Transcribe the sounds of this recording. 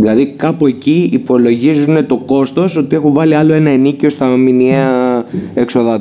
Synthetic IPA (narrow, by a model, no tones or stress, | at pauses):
ðilɐðikɐpue̞ciipo̞lo̞ʝizune̞t̪o̞ko̞st̪o̞so̞t̪ie̞xuɱvɐliɐlo̞e̞nɐenicio̞st̪ɐminieɐe̞kso̞ðɐ